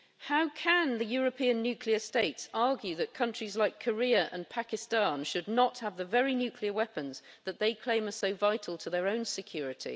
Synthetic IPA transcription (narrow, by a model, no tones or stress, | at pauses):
haʊkʰə̃nðɨjɔːɹəpʰĩə̃nːjʉkʰliəsteɪtsɑɹɡjʉðɨt̚kʰʌ̃nt͡ʃɹ̥izlaɪkʰəɹiɨʔə̰̃npʰækɨstɑ̃nʃɨdⁿnəthəvðəvɛɹinjʉˑkʰliəwɛpə̃nzðət̪̚ðeɪkʰl̥ẽɪ̃məsoʊvaɪtʰˡl̩ˠtʰəðə˞õʊ̃nsɨkʰj̥ɔɹɨtʰḭ